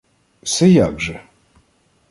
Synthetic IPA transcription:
sɛjaɡʐɛ

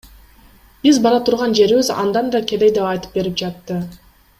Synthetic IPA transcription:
b̥izbɑɾɑt̪ʰuɾʁɑnd͡ʒe̞ɾiβizɑ̰nd̪ɑnd̪ɑkʰʲe̞d̪ejd̪epɑjt̪ɯ̥p̚be̞ɾip̚d͡ʒɑt̪ːɯ

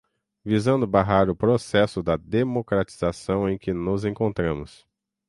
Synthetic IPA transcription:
vizɐ̃nd̪ʊbaɦaɾʊpɾosɛsʊd̪ɐd̪emokɾat͡ʃizasɐ̃w̃ẽj̃kɪnʊzẽkõnt̪ɾɐ̃mʊs

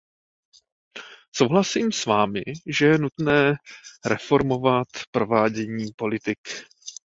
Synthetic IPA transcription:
so̞wɦlasiːmsvaːmɪ̰ʒɛjɛnut̪nɛːɾɛfo̞ɾmo̞vat̪pɾo̞vaːɟɛɲiːpo̞lɪt̪ɪk

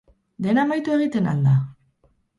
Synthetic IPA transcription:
d̪e̞namajt̪ue̞ɣ̞it̪e̞na̰ld̪a

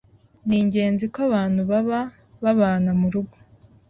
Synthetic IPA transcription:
niːɲɟe̞ːnzikoaβaːn̥huβaβa | βaβaːnamuɾuɡo

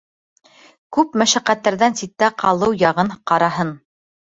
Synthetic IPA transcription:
kʉpmæʃæqæt̪ːæɾðænsit̪ːæqʰɑlˠɤwjɑʁɤɴqɑɾɑɦɤn

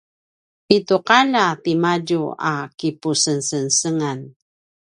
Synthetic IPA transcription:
ituqalapimaɟua̰kipusənsənsəŋan

